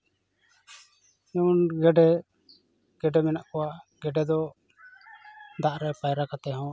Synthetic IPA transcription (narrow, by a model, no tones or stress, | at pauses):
ɛunɡɛɖɛ | ɡ̥ɛɖɛmɛnaʔkɔwaʔɡɛɖɛd̪ɔ | d̪aʔɾɛpajɾakat̪ɛɦɔ̃